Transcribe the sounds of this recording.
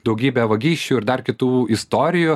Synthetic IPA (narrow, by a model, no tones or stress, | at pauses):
d̪ɒʊɡʲiːbʲɛʋɐɡʲiːʃʲt͡ʃʲuːɪɾd̪ɐrkʲɪt̪uːɪst̪oːɾʲɪju